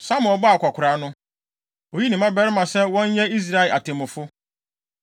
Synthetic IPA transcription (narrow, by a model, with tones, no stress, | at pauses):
sa˦mʊ̃˨ɔ˨bɔ˦a˨kʷʰa˨kʰʷʊ˨ɾa˨˦nʊ̃˦ | o˨ji˦nĩ˨mã˦bɛ˦ɾɪ˦mã˨sɛ˦wɔ̃˦n˦jɛ˦i˦s̬ɾa˦ɛ˨a˨tʰɪ̃˨mʊ̃˨fʊ˦